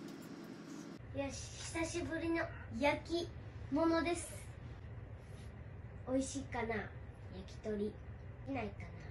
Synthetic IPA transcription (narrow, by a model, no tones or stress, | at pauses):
jaɕi̥t̪aɕibɯ̟ɾʲino̞jakʲimo̞no̞d̪e̞sɨ̥ | o̞iɕikana | jakʲi̥t̪o̞ɾʲiinaikana